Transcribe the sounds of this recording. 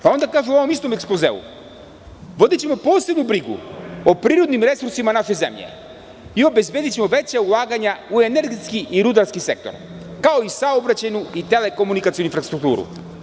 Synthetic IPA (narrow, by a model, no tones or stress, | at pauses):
paɔnd̪akaʒuavomist̪omɛksplˠɔzɛ̰ṵ | vɔd̪ɛt͡ɕɛmɔpɔsɛb̪nubɾiɡṵopɾiɾod̪nimɾɛsuɾsimanaʃɛzɛ̰mʎɛ̰ | iobɛzbɛd̪it͡ʃɛmɔvɛt͡ɕaulˠaɡaɲauɛnɛɾɡɛt̪skiʔiɾud̪aɾskisɛk̚t̪ɔ̰ɾ | kaoisaobɾat͡ɕɛnuit̪ɛlɛkomunikat̪sijonuinfɾast̪ɾuk̚t̪ṵɾṵ